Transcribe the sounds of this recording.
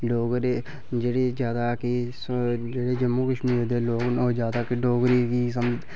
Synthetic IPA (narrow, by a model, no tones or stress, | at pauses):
ɖoːɡɾe | d͡ʒeːɽeːzjaːd̪aːkisd͡ʒeːɽeːd͡ʒəmoːkəʃmiːɾd̪eːloːɡnod͡ʒjaːd̪aːkiɖoːɡɾiːkiːsəmd͡ʒ̪